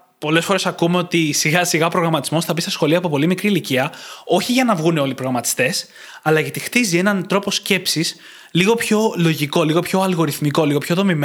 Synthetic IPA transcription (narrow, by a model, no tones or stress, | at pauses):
po̞le̞sfo̞ɾe̞sɐkume̞o̞t̪isiɣɐsiɣɐopɾo̞ɣɾɐmɐt̪izmo̞sθɐpist̪ɐsxo̞lioɐːpo̞po̞limikɾiliciɐo̞çiʝɐnɐvɣuno̞lipɾoɣɾɐmɐt̪i̥st̪e̞s | ɐlɐʝɐt̪ixt̪izie̞nɐnt̪ɾo̞po̞sce̞psis | liɣo̞pço̞lo̞ʝiko̞liɣo̞pço̞ɐlɣo̞ɾiθmiko̞liɣo̞pço̞ðo̞mim